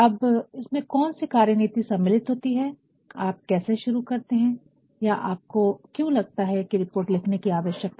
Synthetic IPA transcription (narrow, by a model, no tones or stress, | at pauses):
ɐbɪsmẽkɔːnsikaːɾjəniːt̪isɐmːɪlɪt̪ɦoːt̪iɦɛ | aːp̚kɛːseʃʊɾukɐɾt̪eɦɛ̃ː | jaʔa̰ːp̚kokjõːlɐɡ̚t̪aɦɛkiɾɪpoːɾʈlɪkʰnekiaːʋəʃjək̚t̪